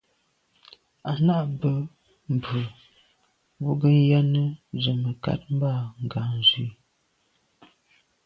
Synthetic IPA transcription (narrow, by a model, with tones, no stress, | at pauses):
a˨na˦ʔbə˦ | m̩˨bə˨ | wu˦ɡə˦n˦ja˦nə˦zə˨mə˨ka̰˦t̚m̩˦ba˦˨ŋ˨ɡa˨n˨zi˦